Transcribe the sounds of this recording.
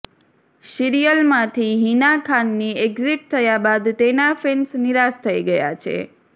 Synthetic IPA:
ʃiɾijəlmãt̪ʰiɦinakʰanːieɡziʈ̚t̪ʰəjabad̪t̪enafensniɾast̪ʰəiɡəja̰t͡ʃʰḛ

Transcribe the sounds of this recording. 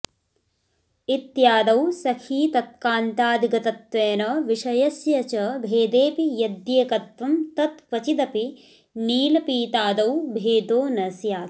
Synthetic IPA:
it̪jaːd̪ɐwsɐkʰiːt̪ɐt̪̚kaːnt̪aːd̪iɡɐt̪ɐt̪ʋeːnɐʋiʂɐjɐsjɐt͡ʃɐbʱeːd̪eːpijɐd̪jeːkɐt̪ʋɐmt̪ɐt̪̚kʋɐt͡ʃid̪ɐpi | niːlɐpiːt̪aːd̪ɐwbʱeːd̪oːnɐsjaːt̪

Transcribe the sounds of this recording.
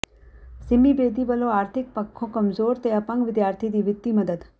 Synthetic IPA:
sɪmibeːd̪ibəloaːɾt̪ʰɪk̚pɐkʰːokɐmzoːɾt̪eɐpə̃ŋɡʋɪd̪jaːɾt̪ʰid̪iːʋɪt̪ːiməd̪əd̪

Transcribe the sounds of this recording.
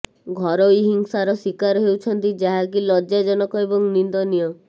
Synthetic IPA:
ɡʱɔɾɔiɦiŋsaɾɔsikaɾɦewt͡ʃʰɔnt̪id͡ʒaɦak̬ilɔd͡ʒad͡ʒɔnɔkɔebɔŋnind̪ɔnijɔ

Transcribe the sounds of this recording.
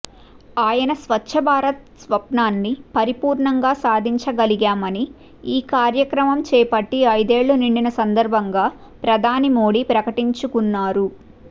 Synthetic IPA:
aːjɐnɐsʋɐtːʃʰɐbʱaːɾɐt̪̚ | sʋɐpnaːnːipɐɾipuːɾɳɐŋɡaːsaːd̪ʱiɲt͡ʃɐɡɐliɡaːmɐni | iːkaːɾjɐkɾɐmɐmt͡ʃɛːpɐʈːiɐjd̪e̞ːɭːuniɳɖinɐsɐnd̪ɐɾbʱɐŋɡaː | pɾɐd̪ʱaːnimoːɽiːpɾɐkɐʈiɲt͡ʃukunːaːɾu

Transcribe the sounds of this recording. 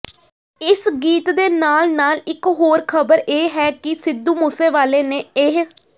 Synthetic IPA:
ɪsɡiːt̪d̪eːnaːlnaːlɪkɦoːɾkʰəbəɾeːɦɛːkɪsɪd̪ːuːmuːseːʋaːleːneːeɦ

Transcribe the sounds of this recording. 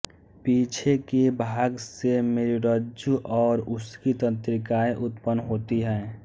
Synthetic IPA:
piːt͡ʃʰekebʱaːɡsemeːɾiɾəd͡ʒjuʔɔːɾʊskit̪ət̪ɾɪkaːeʔʊt̪pənːɦoːt̪iɦɛː

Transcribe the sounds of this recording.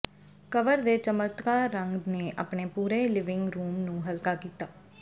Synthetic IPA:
kəʋəɾd̪eːt͡ʃəmət̪kaːɾːəŋɡneːʔa̰ːpɳeːpuːɾeːlɪʋɪ̃ŋɡɾuːmnũːɦəlkaːkiːt̪aː

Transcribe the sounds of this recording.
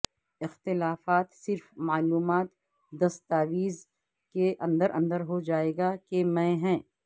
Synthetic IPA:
ɪxt̪ɪlaːfaːt̪sɪɾfmaːluːmaːt̪ | d̪ɐst̪aːʋiːz | keʔɐ̃nd̪əɾʔɐ̃nd̪əɾɦod͡ʒaːeːɡakemɛ̃ːɦɛ̃ː

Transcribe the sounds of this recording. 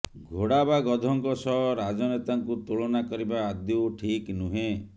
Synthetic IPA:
ɡʱoɽabaɡɔd̪ʱɔŋkɔsɔɦɾad͡ʒɔnet̪aŋkut̪uɭɔnakɔɾibaːd̪jɔwʈʰiknuɦẽ

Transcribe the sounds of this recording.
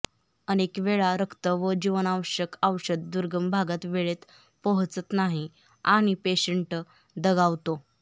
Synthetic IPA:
ənekʋeɭaɾəkʰt̪əʋəd͡ʑiʋənaʋəɕəkaʋɕəd̪̚d̪uɾɡəmbʱaɡat̪ʋeɭet̪ | pəɦt͡sət̪naɦi | aɽ̃ipeɕəɳʈ | d̪əɡaʋt̪o

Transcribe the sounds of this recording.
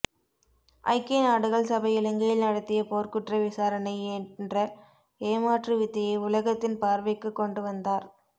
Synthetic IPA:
ʔɐ̰ɪkːenaːɽɯɣɐɭsɐbɐjɪlɐŋɡɐjɪlnɐɽɐt̪ːɪjɐpoːɾkɯʈrɐʋɪsaːɾɐnɐɪɛnndrɐ | eːmaːʈrɯʋɪt̪ːɪjɐɪʊlɐɣɐt̪ːɪnpaːɾʋɐɪkːɯkːɔɳɖɯʋɐnd̪aːɾ

